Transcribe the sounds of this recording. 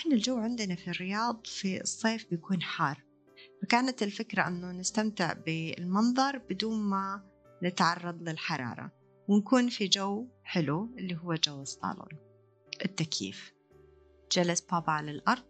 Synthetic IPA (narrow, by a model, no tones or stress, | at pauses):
ʔɪħnald͡ʒawːʕɪnd̪ɪnafirːɪjɑːðˤfiɨ̰sˤːeːfbjakuːnħɑːrˤ | fakaːnat̪ɪlfɪkɾaʔɪnːʊnɪst̪amt̪ɪ̰ʕbilmɑnðˤɑɾˤbɪd̪uːnma | nɪt̪ʕɑrˤːɑd̪ˤlɪlħɑɾˤɑ̰ːɾˤɑ̰ | wɪnkuːnfid͡ʒawːħɪluʔɪlːiɦʊwːad͡ʒawːɪst̪ˤɑ̰ːlṵːn | ʔɪt̪ːakjḭːf | d͡ʒ̥alasbɑːbɑʕlɪlʔɑɾˤðˤ